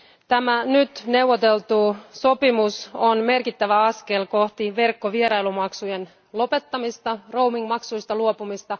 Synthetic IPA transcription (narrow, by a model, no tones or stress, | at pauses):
t̪æmænyt̪ne̞wʋot̪e̞lt̪uːso̞pimusonme̞rkit̪ːæʋæɑske̞lko̞ht̪iʋe̞rkːoʋieɾɑjlumɑksujen | lo̞pe̞t̪ːɑmist̪ɑro̞wmiŋɡmɑksujst̪ɑluopumist̪ɑ